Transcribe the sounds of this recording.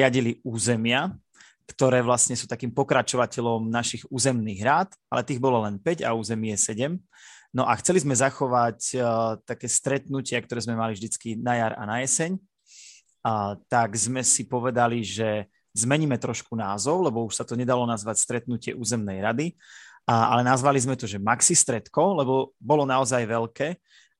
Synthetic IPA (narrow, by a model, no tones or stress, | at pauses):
ɪaɟiliuːzɛmɪa | kt̪ɔɾɛːʋlasɲɛsuːt̪akiːmpɔkɾat͡ʃɔʋacɛʎɔmnaʃiɣuːzɛmniːɣɾaːt̪ | a̰lɛt̪iːɣbɔlɔlɛnpɛɟa̰uːzɛmiɛsɛɟɛm | nɔʔaxt͡sɛlizmɛzaxɔʋact̪akɛːst̪ɾɛt̪nucɪakt̪ɔɾɛːzmɛmalivʒd̪it͡skinajaɾa̰najɛsɛɲ | t̪aɡzmɛsipɔʋɛd̪aliʒɛ | zmɛɲiːmɛt̪ɾɔʃkunaːzɔʊlɛbɔuʃsat̪ɔɲɛd̪alɔnazʋacst̪ɾɛt̪nucɪɛ̰ʔuːzɛmnɛjɾad̪i | a̰lɛnazʋalizmɛt̪ɔʒɛmaksist̪ɾɛt̪kɔlɛbɔbɔlɔnaɔzajʋɛlkɛː